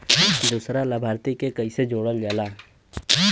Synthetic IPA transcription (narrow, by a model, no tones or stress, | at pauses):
d̪uːsɾaləbʱaːɾt̪ikekɐised͡ʒoːɽəld͡ʒaːlaː